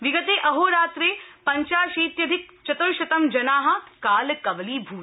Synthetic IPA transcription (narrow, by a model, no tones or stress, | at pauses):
ʋiɡɐt̪eːʔɐɦoːɾaːt̪ɾeːpɐɲt͡ʃaːʃiːt̪jɐd̪ʱɪk̚t͡ʃɐt̪uɾʃɐt̪ɐmd͡ʒɐnaːɦɐ̆kaːlkɐʋɐliːbʱuː